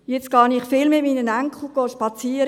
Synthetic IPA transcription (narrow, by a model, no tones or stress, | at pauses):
jɛt͡sɡ̥ɑːnɪχfɪlmɪtmiːnənæŋkχl̩ɡ̥oːʃpɑt͡siːəɾ